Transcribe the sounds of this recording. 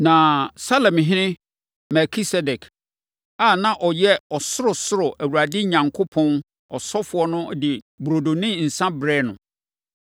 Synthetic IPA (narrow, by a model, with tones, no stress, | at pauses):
nã˨sa˦lɛ˨mɦɪ̃˦nɪ̃˦ | mɛ˨kʰi˦sɛ˦dɛ˨kʰ | a˦˨nã˦ʔɔ˨jɛ˦ɔ˨sʊ˦ɾʊ˨sʊ˦ɾʊ˨ʔæ˨wu˨ɾa˨dɪ˦ɲã˨ŋkʰo˦pʰɔ̃˦n | ɔ˨sɔ˦fʊ˨ɔ˦nʊ̃˦˨dɪ˨ | bɾo˨do˨nɪ̃˦n̩˨sã˦bɾɛ˦˨nʊ̰̃˨